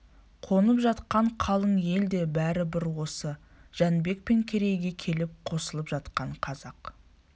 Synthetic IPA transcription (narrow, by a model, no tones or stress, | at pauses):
qʰo̞nəpʒɑt̪qɑɴqʰɑlˠəɴje̞ld̪e̞bæɾɪbɪɾwo̞sə | ʒ̥ænbe̞k̚pe̞ŋkʲʰe̞ɾe̞jɡʲe̞kʲʰe̞lɪp̚qʰo̞səlˠəpʒɑt̪qɑɴqʰɑzɑq